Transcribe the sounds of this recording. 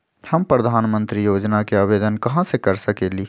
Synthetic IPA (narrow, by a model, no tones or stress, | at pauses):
hɐmpɾəd̪ʱaːnmə̃nt̪ɾijoːd͡ʒnakeaːʋeːd̪ənkɐɦãsekɐɾsɐkeːliː